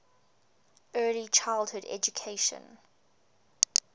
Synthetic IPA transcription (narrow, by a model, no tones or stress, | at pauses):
ɜːlit͡ʃʰaɪlˠdhʊdɛ̰d͡ʒukʰeɪʃə̰̃n